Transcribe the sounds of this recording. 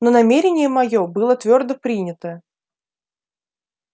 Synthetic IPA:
nonɐmʲeɾʲɪnʲɪjəmɐjobɨlˠət̪vʲord̪əpɾʲinʲət̪ə

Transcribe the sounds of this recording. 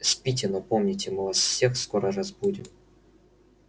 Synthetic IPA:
sʲpʲit̬ʲɪnɐpo̞mnʲɪtʲɪmɨvasfsʲe̞xskoɾərɐzbudʲɪm

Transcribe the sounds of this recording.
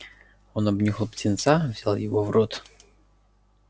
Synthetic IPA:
onɐbnʲixlˠptʲɪnt̪savz̥ʲalˠjɪvovrot̪

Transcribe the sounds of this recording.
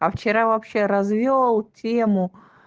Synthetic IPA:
ɐft͡ɕɪɾavɐpɕːeɾɐzvʲolˠtʲemʊ

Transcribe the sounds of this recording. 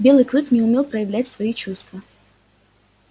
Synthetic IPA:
bʲe̞lˠɨjklˠɨknʲɪʊmʲe̞lˠpɾəjɪvlʲætʲsvɐit͡ɕust̪və

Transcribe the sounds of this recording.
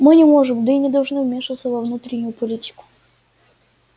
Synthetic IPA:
mɨnʲɪmo̞ʐɨmd̪əinʲɪd̪ɐlˠʐnɨvmʲe̞ʂɨət̪səvɐvnut̪ɾʲɪnʲʊjʊpɐlʲitʲɪ̥kʊ̥

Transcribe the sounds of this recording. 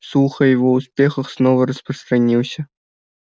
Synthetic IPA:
suxəjɪvouspʲexɤ̆xsnovəɾəsprəst̪ranʲiwsʲɐ

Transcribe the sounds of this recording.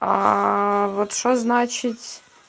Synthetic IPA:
a | vot̪ʂt̪oznat͡ɕɪtʲ

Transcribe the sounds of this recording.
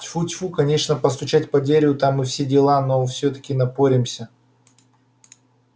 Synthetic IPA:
tʲfutʲfukɐnʲe̞ʂnəpəst̪ʊt͡ɕæt̚ʲpɐd̪ʲeɾʲvʊt̪amːɨfsʲedʲɪlˠanofsʲɵt̪ə̥kʲɪnɐpoɾʲɪmsʲə

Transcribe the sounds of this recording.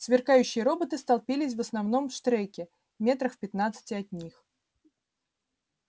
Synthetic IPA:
svʲɪrkajʉɕːɪjəɾo̞bət̪ɨst̪ɐlˠpʲilʲɪs̬ʲvəsnɐvno̞mfʂt̪ɾɛkʲɪ | mʲe̞t̪ɾəxfpʲɪt̪nat̪sɨ̥tʲɪɐt̪̚ʲnʲix

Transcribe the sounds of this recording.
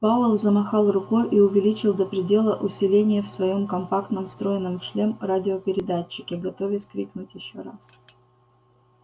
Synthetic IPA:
pavəlˠzəmɐxalˠrʊkojʔiʊvʲɪlʲit͡ɕɪlˠd̪əpɾʲɪdʲe̞lˠəʔʊsʲɪlʲenʲɪjəfsvɐjo̞mkɐmpakt̪nəmst̪ɾo̞jɪnːəmʂlʲe̞mradʲɪopʲɪɾʲɪd̪at͡ɕːɪ̥kʲɪɡɐt̪o̞vʲɪskɾʲiknʊtʲjɪɕːo̞ɾas

